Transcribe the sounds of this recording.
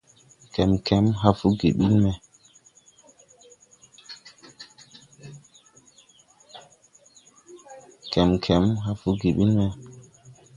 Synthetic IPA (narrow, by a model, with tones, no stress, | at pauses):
kɛ˨mkʰɛ˨˦mɦa˦fu˦ɡḛ˨ɓi˦lmɛ˨ | kɛ˨mkʰɛ˨˦mɦa˦fu˦ɡe˨ɓi˦lmɛ˨